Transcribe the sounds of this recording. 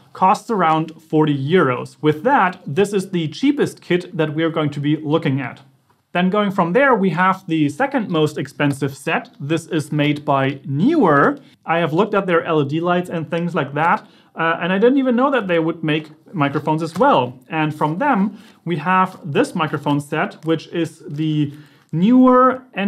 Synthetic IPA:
kʰɔstsə˞ãʊ̃nd̥fɔɹɾijɪɹoʊz̥wɨðæt̪̚ðɪsɨzðɨt͡ʃʰipɨst̚kʰɪd̪̚ðɨt̚wiə˞ɡoʊɪ̃ŋtʰɨbilʊkɪ̃ŋɨ̰t̪̚ | ðɨ̃nɡoʊɪ̃ŋfɹʌ̃mðə˞wiəvðɨsɛkɨ̃nmoʊstɨkspɛ̃nsɨv̥sɛt̪̚ðɪsɪzmeɪd̚baɪnjʉə˞ | ʔaɪɨvlʊk̚tɨt̪̚ðə˞ʔɛlˠədilaɪtsɨ̃nθɪ̃ŋzlaɪk̚ðæt | ʔɨ̃naɪdɪdⁿn̩tivɨ̃nːoʊðɨt̪̚ðeɪwəd̚meɪkmaɪkɹəfõʊ̃nzɨzwɛlˠɨ̃nfɹʌ̃mðɨ̃m | wiəvðɪsmaɪkɹɨfõʊ̃nsɛt̚wɪt͡ʃɪzðɨ | njʉə˞ɛ̃

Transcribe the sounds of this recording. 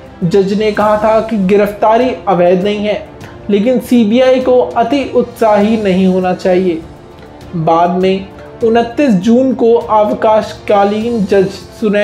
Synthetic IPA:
d͡ʒɐd͡ʒnekɐɦat̪ʰakiɡɪɾəft̪aːɾiɐʋɛːd̪nɐɦĩɦɛː | leːk̬ɪnsiːbiːaːikoɐt̪iʔʊt̪saːɦinɐɦĩɦoːnat͡ʃaːɦieː | baːd̪mẽ | ʊnət̪ːisd͡ʒuːnkoʔaːʋkaːʃkaːliːnd͡ʒɐd͡ʒsʊnɛ

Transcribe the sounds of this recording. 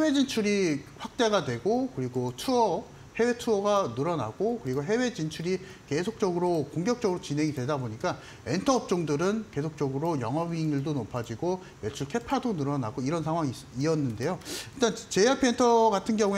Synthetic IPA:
we̞d͡ʑint͡ɕʰuɾiɸwak̚t͈e̞ɡadwe̞ɡokɯɾiɡotʰuʌ | he̞we̞tʰuʌɡanɯɾʌna̰ɡokɯɾiɡoɦe̞we̞d͡ʑint͡ɕʰuɾi | ke̞sʰok̚t͡ɕ͈ʌɡɯɾokoŋɡjʌk̚t͡ɕʌɡɯɾot͡ɕinɦe̞ŋidwe̞daboɲik͈a | e̞ntʰʌʌp̚t͡ɕ͈oŋdɯɾɯnke̞sʰok̚t͡ɕ͈ʌɡɯɾojʌŋɦʌbiŋiɭdonopʰad͡ʑiɡo | jet͡ɕʰuɭkʰe̞pʰadonɯɾʌna̰ɡoiɾʌnsʰaŋɦwaŋi | iʌnːɯnde̞joiɭt͈ant͡ɕeapʰientʰʌɡatʰɯnɡjʌŋu

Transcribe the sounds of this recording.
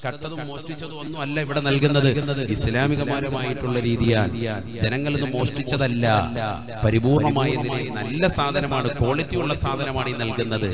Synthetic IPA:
kɐʈːɐðumoːʂʈit͡ɕːɐðumonːumɐlːɐiʋiɽenɐlkunːɐðɨnːɐðɨislaːmiɣɐmaːɾɐmaːjiʈːuɭːɐɾiːðijaːlː | d͡ʑenɐŋːɐɭenːumo̞ːʂʈit͡ɕːɐðɐlːɐ̰ | pɐɾibuːrɳɐmaːjɐienɐlːɐsaːd̪ʱɐnɐmaːɳɨko̞ːɭit̪ːijuɭːɐsaːd̪ʱɐnɐmaːɳinɐlkunːɐðɨ

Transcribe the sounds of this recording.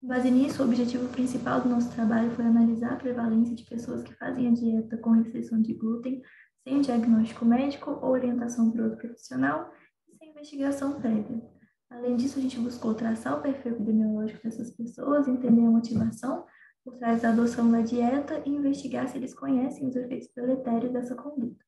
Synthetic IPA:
ẽbazɐnisʊobiʒet͡ʃivʊpɾĩsipawd̪ʊnɔsʊ̥t̪ɾabaʎʊfojanalizaɾɐpɾevalẽsjɐd͡ʒɪpesoɐskɪ̥fa̰zẽj̃ɐd͡ʒiɛt̪ɐkõhest̪ɾisɐ̃w̃d͡ʒɪbut̪ẽj̃ | sẽj̃d͡ʒiaɡnɔst͡ʃi̥kʊmɛd͡ʒikʊʔowoɾiẽnt̪asɐ̃w̃pɾot̪ʊpɾofi̥sionaw | ɪsẽj̃ĩvest͡ʃiɡasɐ̃w̃pɾɛviɐ | alẽj̃d͡ʒisʊaʒẽnt͡ʃɪbuskowt̪ɾasaɾʊpeɾfiwepid̪emiolɔʒikʊd̪ɛsɐspesoɐzẽnt̪ẽnd̪eɾɐmot͡ʃivasɐ̃w̃ | poɾt̪ɾajzd̪ɐːd̪osɐ̃w̃d̪ɐd͡ʒiɛt̪ɐʔɪĩvest͡ʃiɡaɾsɪelɪskõɲɛsẽj̃ʊzefejt̪ʊ̥spɾolet̪ɛɾjʊzd̪ɛsɐkõnd̪ut̪ɐ̥

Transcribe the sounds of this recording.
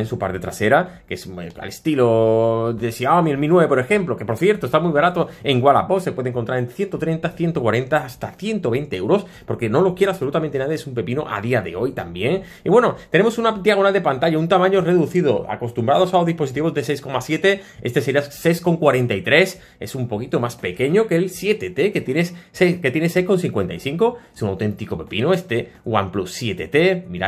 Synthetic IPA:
ensupa̰ɾt̪e̞t̪ɾase̞ɾakesa̰le̞st̪iloðesiamielminweβepo̞ɾe̞xe̞mplo̞kepo̞ɾθje̞ɾt̪ost̪amwiβaɾat̪o̞e̞ŋɡwala̰po̞sepwe̞ðeŋkont̪ɾaɾe̞nθjent̪o̞t̪ɾent̪aθje̞nt̪okwaɾe̞nt̪aːst̪aθje̞nt̪o̞βe̞jnt̪eewɾo̞s | po̞ɾke̞nolokje̞ɾaso̞lut̪amene̞naðjeesumpe̞pino̰ʔa̰ðiaðe̞̰o̞jt̪ambje̞ŋ | iβwe̞no̞t̪e̞ne̞mo̞sunad̪iaɣ̞o̞nald̪e̞pant̪aʝaunt̪amãɲore̞ðuθiðo̰a̰ko̞st̪umbɾað̞o̞saoðispos̬it̪iβo̞zðe̞se̞jsko̞masje̞t̪e̞e̞st̪e̞se̞ɾiasejsko̞ŋkwaɾe̞nt̪ajt̪ɾe̞s | esumpo̞kit̪o̞maspe̞ke̞ɲokelsje̞t̪e̞t̪e̞ket̪jenessesket̪je̞nesejhkonsθiŋkwent̪ajθiŋko̞esunawt̪ẽ̞nt̪iko̞pe̞pinoe̞st̪e̞ | ɣwa̰mplusːje̞t̪e̞t̪e̞miɾa̰

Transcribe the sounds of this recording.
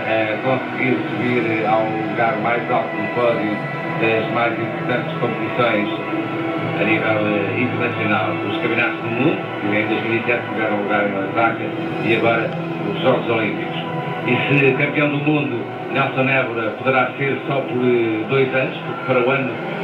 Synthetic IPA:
ɐkõsɣiɾsuβiɾaũlˠuɣaɾmajzalˠt̪uðupɔðju | d̪ɐʒmajzĩmpuɾt̪ɐ̃nt̪ʃkõpt̪isõj̃ʃ | ɐnivɛlˠĩnt̪ɨɾnɐsjunalˠuʃkɐ̃mĩnat̪uʒðumũnd̪u | ɐẽd̪ojʒmilˠisɛt̪ʃɨɣaɾɐ̃ũlˠuɣaɾ̃nmɐvakɐʃ | iɐɣɔɾɐ | uʒɔɣuzolˠĩmpiku̥ʃ | isɨkɐ̃mpijɐ̃w̃d̪umũnd̪u | nɛlˠsõnɛvuɾɐpuðɨɾaseɾsɔpuɾd̪ojzɐnuʃpuɾkpɐɾɐuɐnu

